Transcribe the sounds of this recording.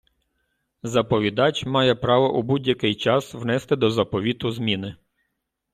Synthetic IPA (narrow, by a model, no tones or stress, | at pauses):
zɐpɔʋʲid̪ɑt͡ʃʲmɑjɛpɾɑʋɔʔubudʲjɐkɪjt͡ʃɑsʋnɛst̪ɪd̪ɔzɐpɔʋʲit̪ʊzmʲinɪ